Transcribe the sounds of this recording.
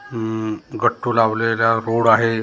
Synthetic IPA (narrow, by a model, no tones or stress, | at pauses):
ɡəʈʰːulawlelaɾoɽaɦe